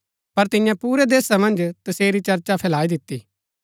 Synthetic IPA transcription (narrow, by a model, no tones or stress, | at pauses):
pɐɾt̪ɪ̃jãpuːɾed̪eːsamɐ̃nd͡ʒt̪ɐseːɾit͡ʃɐɾt͡ʃapʰɛːlaːid̪ɪt̪ːi